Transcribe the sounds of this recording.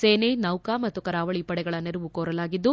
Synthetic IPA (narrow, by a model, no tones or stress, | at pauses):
seːnenɐwkaːmɐt̪ːukɐɾaːʋɐɭipɐɽɛɡɐɭɐneɾuʋukoːɾɐlaːɡid̪ːu